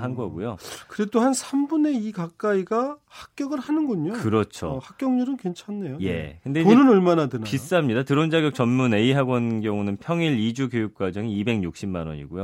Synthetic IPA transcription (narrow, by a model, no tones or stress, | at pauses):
ɦanɡʌɡujokɯɾe̞dohansʰambune̞ikak͈aiɡahak̚k͈jʌɡɯɾhanɯnɡʌɲokɯɾʌt͡ɕʰo̰hak̚k͈jʌŋɲuɾɯnkwent͡ɕʰanːejoje̞̰kɯndeponɯnʌɭmanadɯnais͈ɯɦamɲidatɯɾond͡ʑaɡjʌk̚t͡ɕʌnmune̞iɦaɡwʌnɡjʌŋunɯnpʰjʌŋiɾid͡ʑukjojuk̚k͈wad͡ʑʌŋiibe̞ŋɲuk̚ɕ͈imːanʌ̰ɲḭɡujo